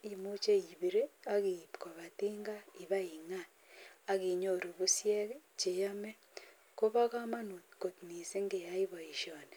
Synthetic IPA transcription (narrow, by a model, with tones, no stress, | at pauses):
i˨mu˦t͡ʃe˦i˨βi˨ɾe˦a˦ɣi˨ko˨βa˨tiː˦ŋɡa˦i˨βa˦i˨ŋa˦ | a˦ɣi˨ɲo˦˨ɾo˨βu˦sje˦t͡ʃe˨ja˦me˦ | ko˦βa˦ka˦ma˦no˨ko˨tni˨se˦ŋɡe˨ja˦i˦βo˨i˨ʃjo˨ne˨